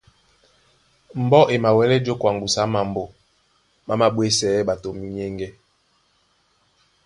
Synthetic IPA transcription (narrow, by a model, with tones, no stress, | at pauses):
m̩˨bɔ˦ʔe˨ma˨wɛ˨˦lɛ˦d͡ʒo˦kwa˨ŋbu˨sa˨˦ma˨m˨bo˨ | ma˦ma˨ɓwe˦sɛː˨˦ɓa˨to˨mi˦ɲe˦ŋɡɛ˦